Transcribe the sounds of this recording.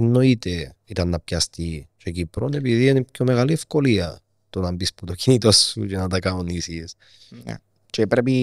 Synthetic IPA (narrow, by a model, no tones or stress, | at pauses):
nːoit̪eit̪ɐnːɐpçɐst̪it͡ʃecipɾonep̬iðienipçomeɣaliefkoliɐ | t̪onɐmbisput̪ocinit̪osːṵcenɐt̪ɐkaonisis | n̰ | t͡ʃepɾep̬i